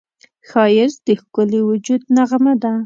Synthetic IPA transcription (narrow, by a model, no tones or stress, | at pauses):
xɑjɪzd̪əxkʊlewʊd͡ʒud̪naɣamad̪a